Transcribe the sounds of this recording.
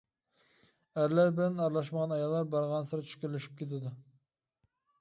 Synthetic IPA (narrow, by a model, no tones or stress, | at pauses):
æɾlæɾbɪlænɑɾlˠɑʃməʁɑnɑjɑlˠːɑɾbɑɾʁɑnsɨɾɑt͡ʃʰy̥ʃkʲyɾlyʃi̥p̚kʲʰet̪ʰɪd̪u